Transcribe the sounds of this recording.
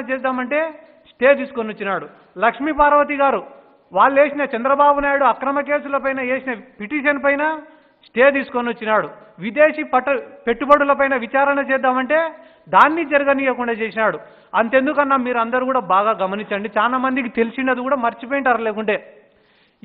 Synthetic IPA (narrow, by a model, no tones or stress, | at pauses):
ɐt͡ʃɛːd̪ːaːmɐɳʈe̞ː | sʈeːt̪iːsu̥konːot͡ʃːinaːɽu | lɐkʂmipaːɾɐʋɐt̪̬iɡaːɾu | ʋaːɭːue̞ːsinɐt͡ʃɐnd̪ɾɐbaːbunaːjuɽuɐkɾɐmɐke̞ːsulɐpɐjnɐeːsinɐpiʈiːʃɐnpɐjnɐ | sʈeːt̪̬iːsu̥konot͡ʃːinaːɽuʋid̪e̞ːʂipɐʈɐpe̞ʈːubɐɽulɐpɐjnɐʋit͡ʃaːɾɐɳɐt͡ʃɛːd̪ːaːmɐɳʈe̞ː | d̪aːnːid͡ʒɐɾɐɡɐnijɐkuɳɖaːt͡ʃeːsinaːɽu | ɐnt̪e̞nd̪ukɐnːaːmiːɾɐnd̪ɐɾuːkuːɽaːbaːɡaːɡɐmɐniɲt͡ʃɐɳɖit͡ʃaːlaːmɐnd̪ikit̪e̞lisiɳɖɐd̪ikuːɽaːmɐɾt͡ʃipojiɳʈɐɾɐleːkuɳʈe̞ː